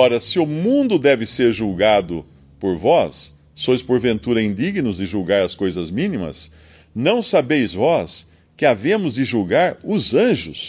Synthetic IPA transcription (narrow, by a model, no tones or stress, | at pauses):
ɔɾɐsɪʊmũnd̪ʊd̪ɛvɪseɾʒuwɡad̪ʊ | poɾvɔsː | ojspoɾvẽnt̪uɾɐĩnd̪iɡinʊzd̪ɪʒuwɡaɾɐskojzɐzmĩnimɐ̰s | nɐ̃w̃sabejzvɔs | kɪavẽmʊzd̪ɪʒuwɡaɾʊzɐ̃ʒʊs